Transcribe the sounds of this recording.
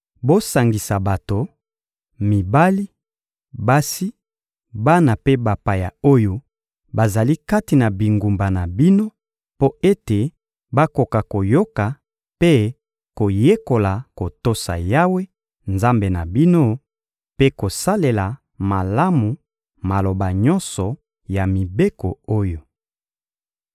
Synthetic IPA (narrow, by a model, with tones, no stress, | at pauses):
bo˦sa˨ŋɡi˨sa˨ba˨to˨ | mi˨ba˦li˦ | ba˦si˦ | ba˦na˨pe˦ba˨pa˨ja̰˨o˦jo˦ | ba˨za˨li˦ka˦ti˨na˨bi˨ŋɡu˨mba˨na˨bi˦no˦ | po˦e˦te˨ | ba˦ko˨ka˨ko˨jo˦ka˨ | pe˦ | ko˨je˦ko˨la˨ko˨to˦sa̰˨ja˦we˦ | nza˦mbe˨na˨bi˦no˦ | pe˦ko˨sa˦le˨la˨ | ma˨la˦mu˨ | ma˨lo˨ba˨ɲɔ˦nsɔ˨ | ja˨mi˨be˦kɔ˨o˦jo˨